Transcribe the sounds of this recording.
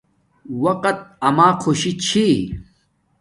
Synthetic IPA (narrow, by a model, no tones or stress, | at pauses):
wɐqɐt̪̚ɐmaːqʰoɕit͡ɕʰi